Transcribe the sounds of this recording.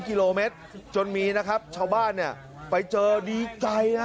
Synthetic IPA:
ki˧loː˧me˦˥t̪̚t͡ɕo˧nmiː˧na˦˥kʰa˦˥p̚t͡ɕʰaː˧wbaː˥˩nːi˥˩ɐ | pa˧jt͡ɕɤː˧diː˧t͡ɕa˧ja˦˥

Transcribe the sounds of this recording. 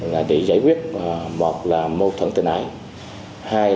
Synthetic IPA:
laː˨˩ɓḭ˧˨za̰ː˧˩jkwi˦˥ət̚mo˨˩t̚laː˨˩mo˧t̪ʰə˧˩nt̪ï˨˩nʔa̰ː˧˩˦j | haː˧

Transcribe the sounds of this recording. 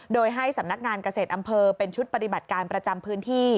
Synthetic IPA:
doː˧jɦa˥˩jsa˩˦mna˦˥k̚ŋaː˧nka˧seː˨˩t̪̚ʔa˧mpʰɤː˧pe˧nt͡ɕʰu˦˥t̪̚pa˧t̪i˨˩ba˨˩t̪̚kaː˧npɾa˧t͡ɕa˧mpʰɯː˦˥nt̪ʰiː˥˩

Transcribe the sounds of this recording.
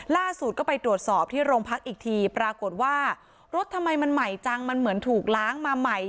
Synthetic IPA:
laː˥˩su˨˩t̪̚kɔː˥˩pa˧jt̪ɾu˨˩ət̪̚sɔː˨˩p̚t̪ʰiː˥˩ɾoː˧ŋpʰa˦˥k̚ʔiː˨˩k̚t̪ʰiː˧pɾaː˧ko˨˩t̪̚waː˥˩ | ɾo˦˥t̪ʰːa˧mːa˧jma˧nma˨˩jt͡ɕa˧ŋma˧nmɯ˩˦ənt̪ʰuː˨˩k̚laː˦˥ŋmaː˧ma˨˩j

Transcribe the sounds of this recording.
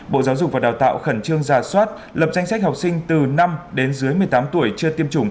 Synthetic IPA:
ɓo̰˧˨zaː˨˦wzʊ˨˩k͡p̚vaː˨˩ɗaː˨˩wt̪a̰ː˧˨wxə˧˩nt͡ɕɨ˧əŋzaː˨˩swaː˦˥t̚ | lə˨˩p̚za˧jŋ̟sa˦˥k̟̚ha˨˩wk͡p̚sï˧ŋ̟t̪ɨ˨˩na˧mɗe˨˦nzɨ˨˦əjmɨ˨˩əjt̪aː˨˦mt̪u˧˩əjt͡ɕɨ˧ət̪i˧əmt͡ɕʊ˧˩ŋ͡m

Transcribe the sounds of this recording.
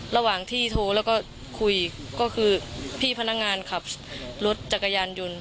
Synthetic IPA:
ɾa˧waː˨˩ŋt̪ʰiː˥˩t̪ʰoː˧lɛː˦˥˩wkɔː˥˩ | kʰu˧˩j | kɔː˥˩kʰɯː˧pʰiː˥˩pʰa˧na˦˥k̚ŋaː˧nkʰa˨˩p̚lo˦˥t̪̚t͡ɕa˨˩kːa˧jaː˧njo˧n

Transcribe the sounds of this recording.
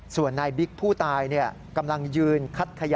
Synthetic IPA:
su˨˩ənːaː˧jbi˦˥k̚pʰuː˥˩t̪aː˧jni˥˩ɐ | ka˧mla˧ŋjɯː˧nkʰa˦˥t̪̚kʰa˧ja˧

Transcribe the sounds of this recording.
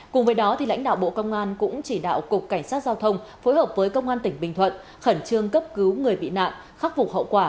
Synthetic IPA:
kʊ˨˩ŋ͡mvəː˨˦jɗɔ˨˦t̪ʰi˨˩la̰˧˥jŋ̟ɗa̰ː˧˨wɓo̰˧˨kə˧wŋ͡mʔaː˧nkʊ̰˧˥ŋ͡mt͡ɕi˧˩ɗa̰ː˧˨wkʊ˨˩k͡p̚kːa˧˩jŋ̟saː˦˥t̚zaː˧wt̪ʰə˧wŋ͡mfo˨˦jɦəː˨˩p̚vəː˨˦jkə˧wŋ͡mʔaː˧nt̪ï˩ŋ̟ɓï˨˩ŋ̟t̪ʰwə̰˧˨n | xə˧˩nt͡ɕɨ˧əŋkə˦˥p̚kɨ˨˦wŋɨ˨˩əjɓḭ˧˨na̰ː˧˨mʔ | xaː˦˥k̚vʊ˨˩k͡p̚hɦə̰˧˨wkwaː˧˩

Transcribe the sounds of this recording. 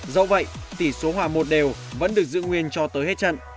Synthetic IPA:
zə̰˧˨wvə̰˧˨jt̪i˧˩so˨˦ɦwaː˨˩mo˨˩t̚ɗe˨˩wvə̰˧˥nɗɨ˨˩ək̚zɨ̰˧˨ŋwi˧ənt͡ɕɔ˧t̪əː˨˦jhe˦˥t̚t͡ɕə̰˧˨nʔ

